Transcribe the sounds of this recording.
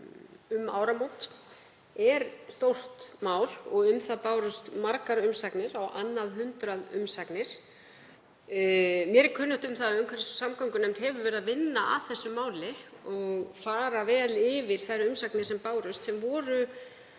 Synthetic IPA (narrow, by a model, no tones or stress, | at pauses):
ʏma̰ːwɾamownt̪ | ɛɾst̪owr̥t̪maːwlɔɣʏmθaðpaːwɾʏst̪maɾkaɾʏmsaknɪɾawʔanːaðɦʏnt̪ɾaðʏ̰msaknɪɾ̥ | mjɛɾkʰʏːnːʏht̪ʏmθaðʏmkʰvɛɾθɛssamkɔwŋkʏnejmt̪hɛvʏvɛːɾʏðavɪnːaʔa̰ðθɛsːʏmaːwlɪ | ɔɣfaːɾavɛːlɪvɪɾ̥θajɾʏmsaknɪɾ̥sɛmpaːwɾʏst̪sɛmvɔːɾʏ